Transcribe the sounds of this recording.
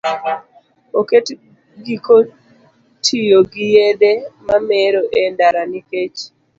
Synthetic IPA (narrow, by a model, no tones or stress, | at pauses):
oket | ɡiko | tʰijoɡɪjed̪emameɾoʔendaɾaniket͡ʃ